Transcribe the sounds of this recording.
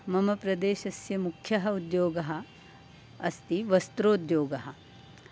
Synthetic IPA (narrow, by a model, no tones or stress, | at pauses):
mɐmɐpɾɐd̪eːʃɐsjɐmukʰjɐɦɐud̪joːɡɐɦɐ̆ | ɐst̪iʋɐst̪ɾoːd̪joːɡɐɦɐ̆